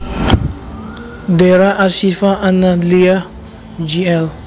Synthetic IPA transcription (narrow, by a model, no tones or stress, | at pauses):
dɛɾaʔasifaʔanalia | d͡ʒiɛl